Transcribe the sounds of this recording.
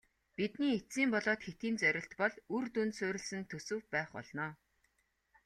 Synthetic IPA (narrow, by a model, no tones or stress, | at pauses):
pit̪niːet͡siːmpɔɮɔːt̪xet̪iːnt͡sœɾʲɪ̆ɬt̪pɔɮurt̪unt̪sʊːɾʲɪ̆ɮsɘ̆nt̪ʰɵsɵ̆wpæːχpɔ̰ɮnɔː